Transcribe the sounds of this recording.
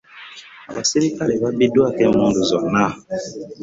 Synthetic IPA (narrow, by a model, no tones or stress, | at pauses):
a̰baseɾikalebabedoakɛ̃mɔ̃dozwana